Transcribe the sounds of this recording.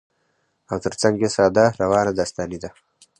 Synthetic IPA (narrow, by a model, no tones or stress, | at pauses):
awt̪əɾt͡saŋɡesɑːd̪aɾawɑːnad̪ast̪alid̪a